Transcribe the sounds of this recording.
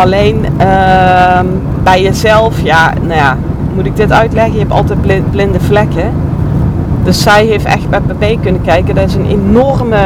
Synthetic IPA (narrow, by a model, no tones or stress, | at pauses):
ɑlejnə | m | bɛjəzɛlˠfjanoja | mutɪɡ̚dɪtœɥtlɛɣənjəɦɛptɑ̰lˠtɛjd̚blɪt̚blɪndəvlɛkə | d̥ɵsːɛjɦejftɛ̰xt̚bɛj̚pabejkɵnəkɛjkədɑtɪsənʔenɔrmə